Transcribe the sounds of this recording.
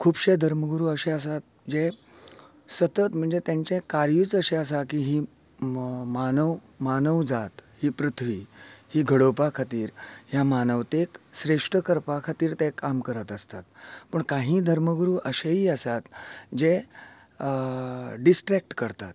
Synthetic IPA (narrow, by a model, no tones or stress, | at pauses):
kʰuːbɕed̪ʱəɾməɡɾuːəɕeəs̬at̪̚ | d͡ʑe | sət̪ət̪m̤əɳd͡zet̪jãɲt͡ɕẽkaɾjiːt͡səɕeəs̬akiːɦiː | manəw | manəʋd͡zat̪hiːpɾut̪ʰʋiːhiːɡʱəɽopakʰat̪iːɾɦjamanəʋt̪eksɾeʂʈɾəkəɾpakʰat̪iːɾt̪ɛ̃kamkəɾət̪əst̪at̪pəɳkaɦĩːd̪ʱəɾməɡɾuːʔəɕeɦiːəsat̪d͡ʑe | ɖisʈɾek̚ʈkəɾt̪a̰t̪